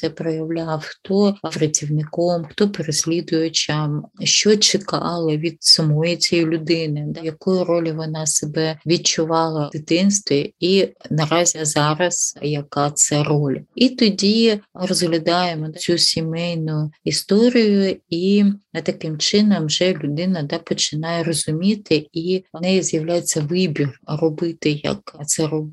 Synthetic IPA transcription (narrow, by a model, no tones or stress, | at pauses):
sɛpɾɔjɐwlʲawxt̪ɔɐfɾɐtʲiwnɪkɔmxt̪ɔpeɾesʲlʲid̪ʊjʊt͡ʃʲɐmʃt͡ʃɔt͡ʃɪkɑ̰lˠɐʋʲid̪sɐmɔjɪt͡sʲɛjɪlʲʊd̪ɪnɪd̪ɐjɐkɔjʊɾɔlʲɪʋɔnɑsebɛʋʲid̚t͡ʃʊʋɑlˠɐd̥̪ɪt̪ɪnst̪ʋʲiinɐɾɑzʲizɑɾɐsjɐkɑt̪sɛrɔlʲɐit̪ɔdʲirɔzɦlʲɐd̪ɑjemɔd̪t͡sʲsʲusʲimɛjnʊist̪ɔɾʲijʊit̪ɐkɪmt͡ʃɪnɐmʒɛlʲʊd̪ɪnɐd̪ɑpɔt͡ʃɪnɑjɛrɔzʊmʲit̪ɪinɛjizjɐwlʲajet͡sʲːɐʋɪbʲirrɔbɪt̪ɪjɐ̰kt̪sɛɾɔb